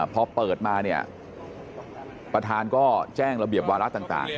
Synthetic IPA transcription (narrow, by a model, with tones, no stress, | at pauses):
pʰɔ˧pɤː˨˩t̪̚maː˧ni˥˩ə | pɾa˧t̪ʰaː˧nkɔː˥˩t͡ɕɛː˥˩ŋɾa˧bi˨˩əp̚waː˧ɾa˦˥t̪aː˨˩ŋt̪a̰ː˨˩ŋ